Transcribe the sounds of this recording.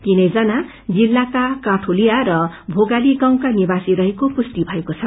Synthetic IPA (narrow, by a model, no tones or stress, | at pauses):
t̪inʌjd͡zʌna | d͡zilːakakaʈʰolijaɾʌbʱoɡaliɡaw̃kanibasiɾʌɦekopust̪ibʱʌekot͡sʰʌ